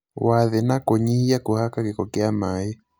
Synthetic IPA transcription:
waðɛnakɔɲihijakuhakakikɔkɛamajɛ

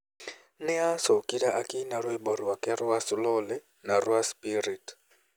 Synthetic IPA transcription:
nɛasokʼidaʔakʼinaɾwɛbɔɾiwakʼɛɾʊwasɪlɔlɛ | narwwaspʼiɾitʼ

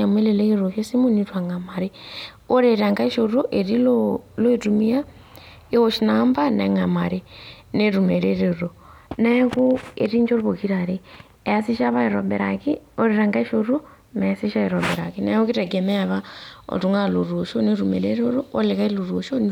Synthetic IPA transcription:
ameleleiɾoʃesimunitwaŋamaɾe | oɾeɾaŋɡaiʃoɾoʔeɾiloloitumija | eoʃinambana̰ŋamaɾe | neɾumeɾeɾoɾo | naekoeɾiɲd͡ʒoɾβokiɾaɾe | easiʃaβaiɾobeɾa̰kioɾeɾaŋɡaiʃoɾo | mesiʃaiɾobeɾa̰kina̰okitaɡemeaβao̰tuŋaluɾuʃoniɾumḛɾeɾoɾoolekailuɾuʃo

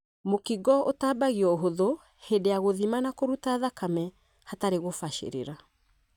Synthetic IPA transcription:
mokiɡɔotaːbaɣiɔoɦoðo | hedeaɣoðimanakoɾutaːðakamɛ | hataɾeɣofaʃḛɾḛɾa

